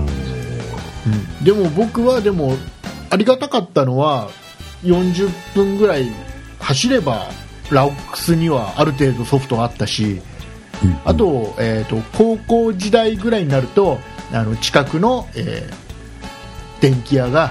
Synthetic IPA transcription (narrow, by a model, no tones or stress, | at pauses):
ɯ̟̃ɴd̪e̞mo̞bo̞kɯ̟βad̪e̞mo̞aɾʲiɡat̪akat̪ːano̞βa | jõ̞ɲ̟d͡ʑɨpːɯ̟̃ŋɡɯ̟ɾai | haɕiɾe̞ba̰ | ɾaokːɯ̥sɨɲ̟iβaaɾɯ̟t̪̬e̞ːd̪o̞so̞ɸɯ̟̥t̪o̞at̪ːaɕi | at̪o̞eːt̪o̞kʰo̞ːko̞ːʑid̪aiɡɯ̟ɾaiɲ̟inaɾɯ̟t̪o̞ano̞t͡ɕi̥kakɯ̟no̞ḛː | d̪̥ẽ̞ŋkʲijaɡa